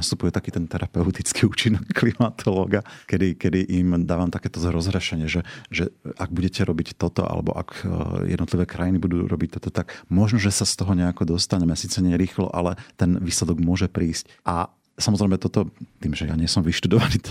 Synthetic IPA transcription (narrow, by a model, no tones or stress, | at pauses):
nast̪upujɛt̪akiːt̪ɛnt̪ɛɾapɛʊt̪it͡skiuːt͡ʃinɔkːlimat̪ʰɔlɔːɡakɛd̪ikɛd̪iʔimd̪aːʋamt̪akɛːt̪ɔzɾɔzɦɾɛʃɛɲɪɛʒɛʒɛʔaɡ̚buɟɛcɛɾɔbict̪ɔt̪ɔ̰ʔa̰lɛ̰bɔ̰ʔa̰kjɛ̰d̪nɔt̪liʋɛːkɾajinibud̪uːɾɔbic̚t̪ɔt̪ɔt̪akmɔʒnɔʒɛsast̪ɔɦɔɲɛakɔd̪ɔst̪aɲɛmɛsiːt͡sɛɲɪɛɾiːxlɔ̰ʔalɛt̪ɛnʋiːslɛd̪ɔɡmʊɔʒɛpɾiːsc | ʔa | samɔzɾɛjmɛt̪ɔt̪ɔt̪iːmʒɛjaɲɪɛsɔmʋiʃt̪ud̪ɔʋaniː